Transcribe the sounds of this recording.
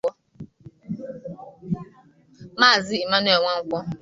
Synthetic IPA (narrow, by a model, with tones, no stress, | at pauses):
ɔ˦ | maː˦˨zi˦i˨ma˦ne˨ŋʷa˦ŋ̩˦kʷɔ˦